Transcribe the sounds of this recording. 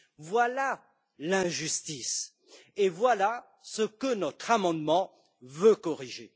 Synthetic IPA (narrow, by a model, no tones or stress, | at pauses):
vwala | lɛ̃ʒyst̪is | evwala | səkənɔt̪χamɑ̃d̪mɑ̃ | vøkɔʁiʒe